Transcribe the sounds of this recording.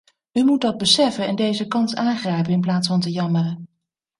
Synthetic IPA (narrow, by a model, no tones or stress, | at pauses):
ymut̚dɑd̚bəsɛfənɛndejzəkɑnsaːŋχrɛjpənɪnplaːtsfɑntəjɑmərə